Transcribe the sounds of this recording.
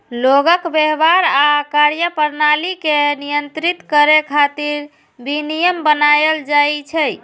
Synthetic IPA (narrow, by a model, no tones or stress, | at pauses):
loɡəkbeɦbaɾakaɾjəpəɾnalikenijənt̪ɾit̪kəɾekʰat̪iɾ | binijəmbənajəld͡ʒajt͡ʃʰəj